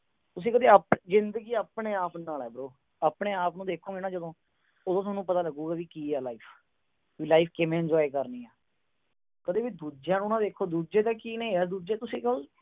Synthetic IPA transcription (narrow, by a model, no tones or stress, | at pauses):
t̪ʊsĩːkəd̪eːaːpzɪnd̪əɡiːaːpneːaːpnaːlɛːbəɾoː | aːpɳeːaːpnũːd̪eːkʰõːɪnaːd͡ʒəd̪õː | ʊd̪õːt̪oːnːũːpət̪aːləɡuːɡaːʋiːkiːɛːlaːiːpʰ | ʋiːlaːipʰkɪmẽːɪɲd͡ʒɔːikəɾniːɛː | kəd̪eːʋiːd̪uːd͡ʒãːnũːnãːd̪eːkʰːoːd̪uːd͡ʒeːt̪ãːkiːnɛ̃ĩɛːd̪uːd͡ʒeːt̪ʊsĩːkəl